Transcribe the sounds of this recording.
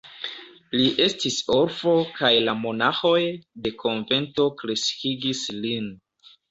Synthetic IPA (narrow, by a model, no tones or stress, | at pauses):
liʔe̞stiso̞ɾfo̞kajlamo̞naxo̞jde̞kʰo̞nve̞nto̞kɾe̞skiɡislin